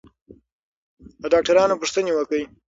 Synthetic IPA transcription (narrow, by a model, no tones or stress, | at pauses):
d̪əɖɑk̚ʈaɾɑnopʊʂt̪ənewəkəj